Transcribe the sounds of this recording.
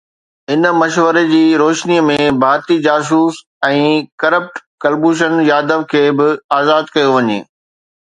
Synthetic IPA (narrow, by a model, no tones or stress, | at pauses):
ɪnmɐʃʋəɾed͡ʑiːɾoːʃniəmẽbʱaːɾt̪id͡ʑaːs̬uːs | ɛ̃ːkɐɾəp̚ʈkɐlbuːʃ̬ənjaːd̪əʋkʰeːbɪaːzaːd̪kɐjoʋɐɲḛː